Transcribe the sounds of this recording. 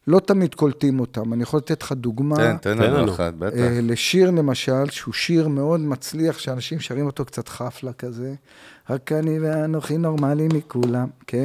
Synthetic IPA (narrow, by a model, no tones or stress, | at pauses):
lo̞t̪amid̪kolt̪imo̞t̪amanijaχolat̪et̪l̥χad̪uɡmaent̪eaa̰t̪̚betle̞ʃiʁle̞maʃalʃeuʃiʁmeo̞d̪mat͡sliaχʃeanaʃimʃaʁimo̞t̪o̞kt͡sat̪χaflakaze | ʁakːaniveanoχino̞ʁmalimikulamkʰen